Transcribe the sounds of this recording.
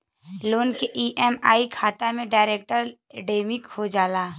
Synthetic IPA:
loːnkeʔiːʔɛːma̰ːikʰaːt̪amẽɖaːɾeːk̚ʈəɾ | ɖeːmɪkhod͡ʒaːlaː

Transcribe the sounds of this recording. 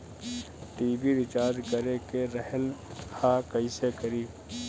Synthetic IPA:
ʈiːbiɾɪt͡ʃaːɾd̪kəɾekeɾɐhəlhaːkəiːsekəɾiː

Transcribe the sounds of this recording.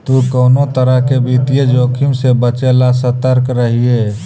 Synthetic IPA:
t̪ukəːnot̪əɾəɦkebʱit̪ijed͡ʒoːkʰimsebət͡ʃelasət̪əɾkɾəɦie

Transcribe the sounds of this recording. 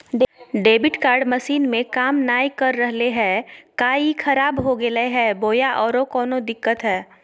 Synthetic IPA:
ɖɖeːbɪʈkaːɾɖmɐʃiːnmẽkaːmnaːjkɐɾːəɦleɦɛːkaːikʰɐɾaːbɦoɡeleɦɛːboːjaʔɔːɾokɔːnod̪ɪkːət̪ɦɛː

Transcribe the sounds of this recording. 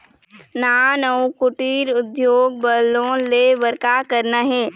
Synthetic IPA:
naːnəwkʊʈiːɾʊd̪joːɡ̚bəlõleʋəɾkakəɾnaɦɛː

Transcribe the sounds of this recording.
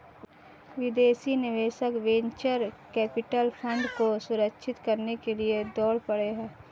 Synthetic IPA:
ʋɪd̪eːsinɪʋeːʃəkʋẽɲt͡ʃəɾkɛːpɪʈəlpʰə̃ɳɖkosʊɾəkʃʰɪt̪kɐɾnekelied̪ɔːɽpɐɽeɦɛ̃ː

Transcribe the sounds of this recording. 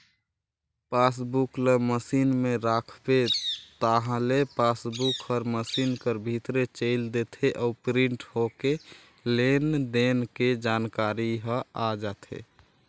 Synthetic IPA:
pas̬bukleməsinmeɾakʰbet̪əɦãlepasbukəɾməsinkəɾbʱit̪ɾet͡ʃəɪld̪et̪ʰeʔɔupɾiɳʈɦoke | lend̪enked͡ʒankaɾiɦə̃ad͡ʒat̪ʰḛ

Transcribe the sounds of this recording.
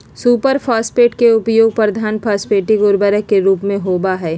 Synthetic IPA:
suːpəɾpʰaːspeːʈkeʊpjoːɡ̚pɾɐd̪ʱaːnpʰaːspeːʈiɡʊɾbəɾəkeɾuːpmẽɦoːbaɦɛː

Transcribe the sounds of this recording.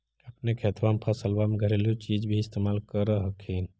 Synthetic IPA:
əpnekʰet̪ʰʋamepʰəsəlbameɡʱəɾeljot͡ʃid͡ʒbʱiɪst̪emalkəɾəɦəkɦin

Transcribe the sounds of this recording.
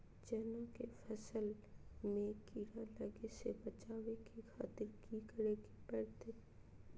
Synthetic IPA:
d͡ʒɐnãkefʰɐsəl | mẽkiːɾaləɡesebɐt͡ʃaːʋekixʰaːt̪ɪɾkikəɾeɡipɛːɽt̪e

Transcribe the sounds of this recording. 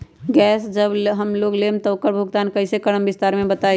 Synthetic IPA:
ɡɛːsd͡ʒəbɦəmloːɡleːmt̪ɔkəɾbʱʊɡt̪aːnkɐɪsekəɽəmʋɪst̪aːɾmẽbət̪aː

